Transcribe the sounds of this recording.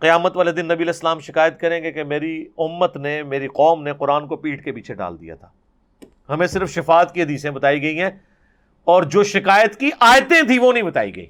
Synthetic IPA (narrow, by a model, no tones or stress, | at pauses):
qɪjaːmət̪ʋaːled̪ɪnːɐbiɐlɛːsəlaːmʃɪkaːjət̪̚kɐɾẽːɡekemeːɾiʊmːət̪nemeːɾiqɔːmneqʊɾaːnkopiːʈkepiːt͡ʃʰeɖa̰ːld̪ija̰t̪ʰaː | hɐmẽsɪɾfʃɪfaːt̪kiɦɐd̪iːsẽbɐt̪aːiɡɐiɦɛ̃ː | ɔːɾd͡ʒoːʃɪkaːjət̪kiʔaːjt̪ẽt̪ʰiʋonɐɦĩbɐt̪a̰ːḭɡɐ̰ḭː